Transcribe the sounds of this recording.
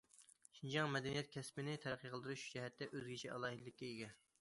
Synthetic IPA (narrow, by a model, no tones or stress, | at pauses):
ʃind͡ʒɑŋmɛd̪ɛnijɛt̪̚kʲʰɛspɪnɪt̪ʰæɾqʰːəqʰəlˠd̪ɨɾuʃud͡ʒɛɦɛt̪ːɛʔøzɡʲit͡ʃʰɛʔɑlˠɑːɦɨd̪ɪlːɪkʲːɛeɡʲɛ